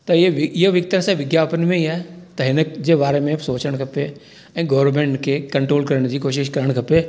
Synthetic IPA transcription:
t̪ɐʋɪɪɦəʋɪk̚t̪əɾsãʋɪɡjaːpənɪ̆mẽiaːɦet̪ɐɦɪnəd͡ʑebaːɾemẽsoːt͡ɕəɽ̃kʰɐpe | ɛ̃ːɡɐːɾmẽːɳʈkʰekɐ̃ɳʈɾoːlkɐɾəɽ̃d͡ʑiːkoːʃɪʃkɐɾəɽ̃kʰɐpe

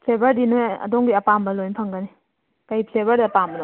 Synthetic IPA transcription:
pʰlebɐɾdinoɐ̰dɔŋɡiɐpambɐlojnpʰɐŋɡɐni | kajpʰlebɐɾdiɐpambɐlo

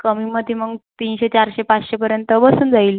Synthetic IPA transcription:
kəmiməd̪ʱːjeməɡt̪iːnɕet͡ɕaɾɕepat͡sɕepəɾjənt̪əbəsuːnd͡zaiːl

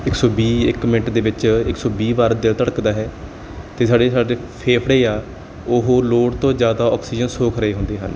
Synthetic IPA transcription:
ɪksɔːbiːɪ̰kmɪnʈd̪eːʋɪt͡ʃɪksɔːbiːbaːɾd̪ɪlt̪əɽəkd̪aːɦɛː | t̪eːsaːɖeːsaːɖeːpʰeːpʰɽeːaː | ʊɦoːloːɽt̪õːd͡ʒjaːd̪aːɔːksiːd͡ʒənsoːkʰɾəeːɦʊ̃nd̪eːɦə̰n

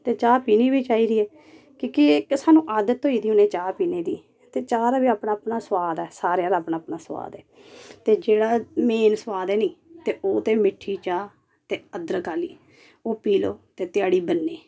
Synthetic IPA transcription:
t̪eːt͡ʃaːpiːniːbiːt͡ʃaːiːɾiːɛː | koːkɪksaːnũːʔaːd̪t̪ːoːiːd̪iːʊneːt͡ʃaːpiːneːd̪iː | t̪eːt͡ʃaːɾaːbiːaːpnãːapnaːsəwaːd̪ɛːsaːɾeaːlaːpnãːpnaːswa̰ːd̪ɛːt̪eːd͡ʒeːɽaːmeːnsəwaːd̪ɛːnĩːt̪eːʔoːt̪eːmɪʈʰːiːt͡ʃaː | t̪eːəd̪əɾkaːlḭː | oːpiːlo̰ːt̪eːt̪ɪjaːɽiːbənːeː

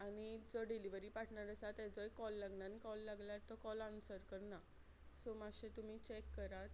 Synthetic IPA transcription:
añid͡zɔɖiliʋəɾiːpaʈʰɳaɾəsat̪ɛd͡zɔekɔlːaɡnanikɔlːaɡlaɾt̪ɔkɔlansəɾkəɾna | somaɕet̪um̤iːt͡ɕekːəɾat̪

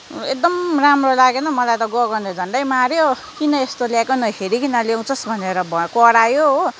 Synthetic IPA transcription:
ek̚d̪ʌmramrolaɡenʌmʌlajt̪ʌɡʌɡʌned͡zʱʌɳɖʌjmaɾjo | kinʌest̪oljakonʌɦeɾikinʌlaw̃t͡sʰʌsbʱʌneɾʌbʱʌkʌɽajoɦo

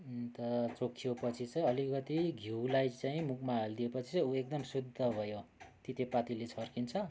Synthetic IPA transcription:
t̪ʌt͡sokʰːijopʌt͡sʰit͡sʌĩʌlikʌt̪iɡʱiwlajt͡saĩmukmaɦeld̪iepʌt͡sʰi̥t͡sãuek̚d̪ʌmsud̪ʱːʌbʱʌjot̪it̪epat̪ilet͡sʰʌrkint͡sʰʌ

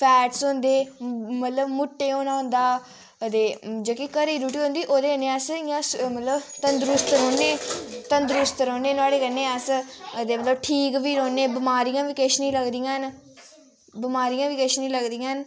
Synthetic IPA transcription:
pʰɛːʈsɦʊ̃nd̪eːmət̪ləbmʊʈːeːõːnãːɦʊ̃nd̪aː | əd̪eːd͡ʒoːkikəɾiːɾuːʈiːɦõnd̪iːʔoːd̪eːənːeːəsɪjãːsmət̪ləbt̪ənd̪ɾʊst̪ɾoːneːt̪ənd̪ɾʊst̪ɾõːneːnʊaːɽeːkənẽːəsəd̪eːmət̪ləbʈʰiːkʋiːɾoːneːbɪmaːɾijãːʋiːkeʃnĩːləɡd̪ijãːn | bɪmaːɾijãːʋiːkəʃnĩːləɡd̪ijãːn

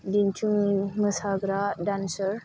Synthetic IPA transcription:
dint͡ʃuŋməsaɡɾadansəɾ

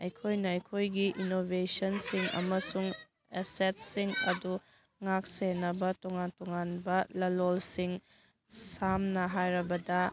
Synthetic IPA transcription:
ɐjkʰojnɐɐjkʰojɡiʔinobʱesɐnsiŋɐ̰mɐsuŋ | eset̚siŋɐdu | ŋak̚senɐbɐtɔŋantɔŋanbɐlɐlolsiŋ | samnɐɦajɾɐbɐdɐ

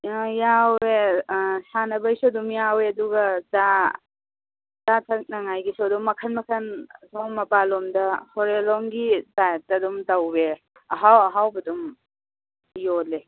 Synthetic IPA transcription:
jawesanɐbɐjsodumjaweɐduɡɐza | zatʰɐk̚naŋajɡisoduŋmːɐkʰɐnmɐkʰɐnsɔŋmɐpalɔmdɐhɔɾelɔŋɡitatɐdumtawbe | ɦawɦawbɐdum | jole

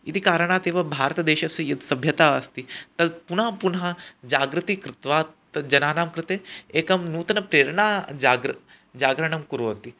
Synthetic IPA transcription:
it̪ʰikaːɾəɽ̃aːt̪eːʋɐbʱaːɾt̪ɐd̪eːʃɐsɐjɐt̪sɐbʱjɐt̪aːɐst̪it̪ɐd̪punɦɐpunɦɐd͡ʒaːɡɾɨt̪ikɾɪt̪ʋaːt̪ɐd͡ʒɐnaːnaːmkɾɪt̪eeːkɐmnuːt̪ɐnɐpɾeːɾɳaːd͡ʒaːɡɾ | d͡ʒaːɡɾɐɳ̃ɐmkuɾot̪i

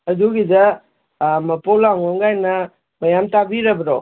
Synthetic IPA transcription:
ɐduɡida | mɐpɔlaŋɔŋɡajnɐ | mɐjamtabiɾabɾɔ̰

